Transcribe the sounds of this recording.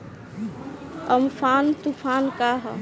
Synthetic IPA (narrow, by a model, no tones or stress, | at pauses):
əmfʰaːnt̪upʰaːnkaːɦ